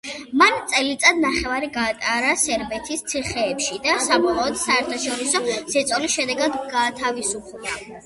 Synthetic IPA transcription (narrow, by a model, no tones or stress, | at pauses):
mant̪sʼɛlit̪sʼad̪naχɛvaɾiɡaːt̪ʼaɾasɛɾbɛt̪ʰist̪sʰiχɛːpʃid̪asamɔχɔɔd̪saɛɾt̪ʰaʃɔɾisɔz̥ɛt̪sʼɔlisʃɛd̪ɛɡad̪ɡaːt̪ʰavisupʰd̪a